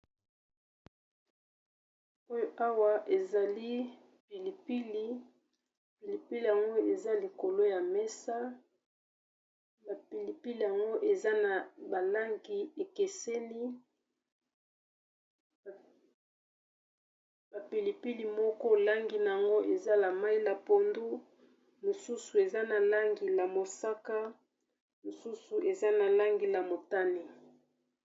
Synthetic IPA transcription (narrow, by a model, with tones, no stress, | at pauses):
o˦jo˦ʔa˦wa˦ʔe˨za˨li˦ | pi˨li˨pi˦li˦˨ | pi˨li˨pi˦li˨ja˨ŋɡo˦e˨za˦li˨ko˨lo˦ja˨mɛ˦sa˦ | ba˨pi˨li˨pi˦li˨ja˨ŋɡo˦ʔe˨za˦na˨ba˨la˦ŋɡi˨e˨ke˨se˦li˦ | b̥a˨pi˨li˨pi˦li˨mɔ˦kɔ˦˨la˦ŋɡi˨na˨ja˨ŋɡo˦ʔe˨za˦la˨ma˦i˦la˨po˨ndu˦ | mo˨su˦su˨e˨za˦na˨la˦ŋɡi˨la˨mo˨sa˦ka˦ | mo˨su˦su˨ʔe˨za˦na˨la˦ŋɡi˨la˨mo˨ta˦ni˦